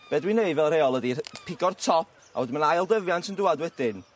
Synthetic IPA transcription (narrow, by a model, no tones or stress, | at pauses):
b̥ɛːdwineɨdvɛlˠreːɔlˠədipʰɪɡɔrtʰɔp̚ʰ | a̰wɔdɪmənajlˠdəvjantʰəndʊːadwɛdɪn